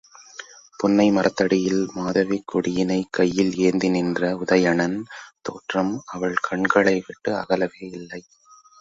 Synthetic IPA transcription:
pʊnːɐɪmɐɾʔɐt̪ːɐɽɪjɪlmaːðɐʋikːɔɽɪjɪnɐɪkːɐjːɪleːnd̪ɪnɪndrɐʊðɐjɐɳɐnt̪oːʈrɐmɐʋɐɭkʰɐɳɡɐɭɐɪʋɪʈːɯɐ̰ɣɐlɐʋeːɪlːɐɪ

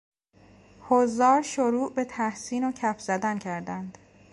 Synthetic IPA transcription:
hozɒːɾʃoɾuːʔbe̞t̪ʰæhsiːnocʰæfz̥æd̪æncʰæɾd̪ænd̪̥

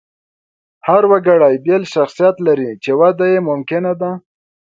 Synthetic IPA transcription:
haɾwaɡaɽajbelʃaxsijat̪laɾit͡ʃewad̪ajemʊmkɪnad̪a

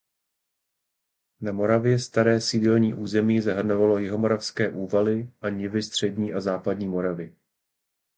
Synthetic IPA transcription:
namo̞ɾavjɛst̪aɾɛːsɪdɛlɲiːʔuːzɛmiːzaɦr̩no̞valo̞jɪɦo̞mo̞ɾafskɛːʔuːvalɪʔaɲɪvɪst̪r̝̥ɛdɲiːʔazaːpadɲiːmo̞ɾavɪ

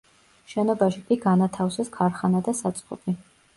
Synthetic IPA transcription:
ʃɛnɔbaʃikʼiɡanat̪ʰafsɛskʰaɾχanad̪asat̪sʼqʼɔ̰pʰʼi

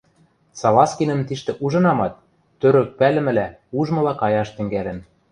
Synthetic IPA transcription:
sɑlɑskinə̆mt̪iʃt̪ɘ̆ʔuʒɤ̆nɑmɑt̪̚ː | øɾøk̚pælɘ̆mɘ̆læuʒmɤ̆lɑkɑjɑʃt̪ɘ̆ŋɡælɘ̆m

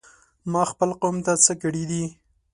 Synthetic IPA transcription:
mɑxpəlqomt̪at͡səkəɽid̪i

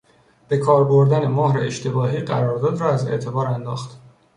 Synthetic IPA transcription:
b̥e̞kʰɒːɾboɾd̪ænemɒːhɾeeʃt̪ʰebɒːɦiːɢæɾɒːɾd̪ɒːd̪rɒːæze̞̰ʔt̪ʰe̞bɒːɾænd̪ɒːxt̪

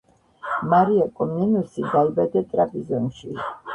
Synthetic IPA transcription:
maɾiakʼɔmninusid̪albɛd̪ɛt̪ʼɾapʼizɔnʃi

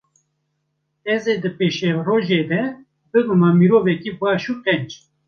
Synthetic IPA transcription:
ɛzeːd̪ɨpeːʃeroːʒeːd̪ɛ | bɨɡumɑːmiɾoːvɛkibɑːʃuːt̪ɛnd͡ʒ

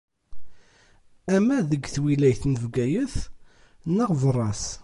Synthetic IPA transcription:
æmæðəɡθwilæjθnəvɡæjəθ | nəʁvərˤːɑs

